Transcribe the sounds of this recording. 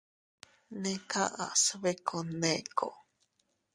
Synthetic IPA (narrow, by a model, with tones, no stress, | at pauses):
nekʰa̰˦ʔa̰˨sβe˦kʰonekʰo̰˨